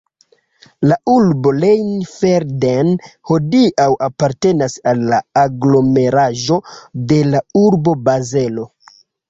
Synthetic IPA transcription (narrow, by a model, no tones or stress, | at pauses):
laʔuɾbo̞lejnfeɾdenho̞diʔawʔapaɾte̞nasalːaːɡlo̞me̞ɾaʒo̞de̞lauɾbo̞baze̞lo̞